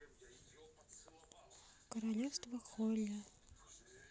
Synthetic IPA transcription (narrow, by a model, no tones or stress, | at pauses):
kəɾalʲɛfst̪vɐxɔlʲːɐ